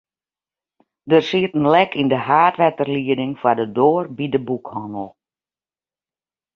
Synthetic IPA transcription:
dərsiətən̩lɛkʰindəɦaːtʋɛtərliədɪŋfadədoːərbidəbukhɔnlˠ

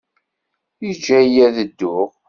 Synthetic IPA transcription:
id͡ʒːæjæðəd̪ːʊʁ

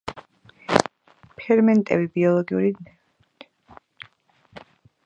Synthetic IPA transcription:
pʰɛɾmɛnt̪ʼɛ̰bibiɔlˠɔɡiṵɾid̪mɛ | t̪ʰ

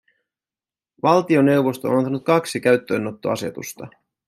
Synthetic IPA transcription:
ʋɑlt̪io̞ne̞wʋo̞st̪o̞̰ːnɑnt̪ɑnut̪̚kɑksik̟æɥt̪ːø̞ːno̞t̪ːo̞̰ɑse̞̰t̪ṵst̪ɑ

